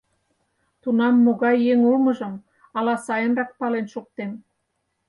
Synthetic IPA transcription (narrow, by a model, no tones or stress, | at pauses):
t̪unɑmːoɣɑjːeŋulmə̆ʒə̆m | ɑlɑsɑjə̆nrɑk̚pɑlenʃuk̚t̪em